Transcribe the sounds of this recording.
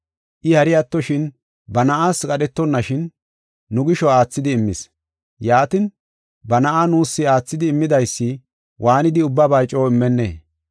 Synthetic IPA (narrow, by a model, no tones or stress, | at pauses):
ʔɪhɐɾɪjat̪ːɔʃɪn | bɐnɐʔaːskʼɐɗɛt̪ːɔnːɐʃɪnː | ʊɡɪʃɔaːt͡sːɪd̪ɪːmːɪ̰s | jaːt̪ɪn | bɐnɐʔanuːsːɪaːt͡sːɪd̪ɪːmːɪd̪ɐjsːɪ | wʔaːnɪd̪ɪʊbːɐbɐjt͡ʃʼoːɪmːɛnːḛː